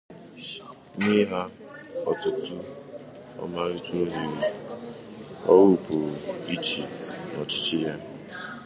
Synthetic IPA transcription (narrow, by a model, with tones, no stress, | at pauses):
ni˦ɦa˦ | ɔ̰˨tʊ˦tʊ˦ | ɔ̰˦ma˦ɾɪ˦to˦ɦi˨ɾ | ɔ̰˦wʊ˦˨pʊ˨i˦t͡ʃḭ˨nɔ˨t͡ʃi˦t͡ʃɪ˦ja˦